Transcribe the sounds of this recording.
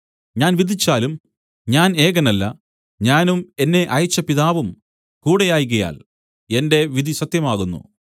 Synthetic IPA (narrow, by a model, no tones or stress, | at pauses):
ɲaːnʋid̪ʱit͡ɕːaːlum | ɲaːne̞ːɣɐnɐlːɐ̰ | ɲaːnume̞nːe̞ʔɐjit͡ɕːɐpiðaːʋum | kuːɽejaːjɣɐja̰ːl | e̞nde̞ʋid̪ʱisɐt̪jɐmaːɣunːṵ